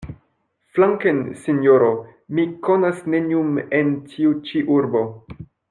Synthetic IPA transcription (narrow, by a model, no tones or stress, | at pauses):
flaŋkensinjoɾomikonasneniumentʰiut͡ʃiʔuɾbo̞